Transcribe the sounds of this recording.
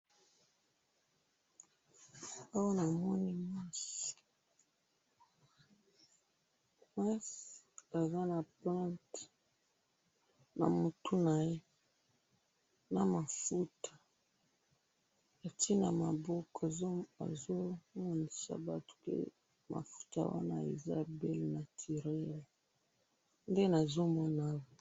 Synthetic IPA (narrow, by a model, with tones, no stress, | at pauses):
a˦wa˦na˨mɔ˦ni˦ma˦si̥˨ | ɛ˦sa˨za˦na˨plã˦nt | na̰˨mu˨tu˦na˨je˦ | na˨ma˨fu˦tʰḁ˨ | a˨ti˦na̰˨ma˨bɔ˦ka˨˦a̰˨zo˦mɔ˦ni˨sa̰˨ba˦tu̥˨kḛ˦ | ma̰˨fu̥˦ta̰˨wa̰˦na̰˦ḛ˨za̰˦bɛ˦lna˨tʰi˨ʁɛ˦l | nde˦na˨zo˦mɔ˦na˦wo˨